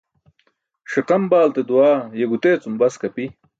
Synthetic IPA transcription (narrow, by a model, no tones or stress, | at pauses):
ʂiqɐmbaːlt̪ed̪uwaːjeɡut̪eːt͡sumbɐskɐpi